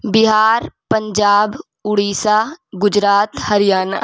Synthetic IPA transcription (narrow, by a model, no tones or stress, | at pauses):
bɪɦaːɾpɐ̃ɲd͡ʒaːb | ʊɽiːsaɡʊd͡ʒɾaːt̪hɐɾɪjaːna̰